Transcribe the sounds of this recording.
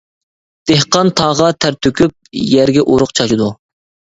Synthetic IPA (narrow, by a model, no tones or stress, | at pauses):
d̪̥ehqɑnt̪ʰɑːʁɑt̪ʰæɾt̪ʰøkʲyp̚jæɾɡʲɛʔoɾʊqt͡ʃʰɑʃid̪u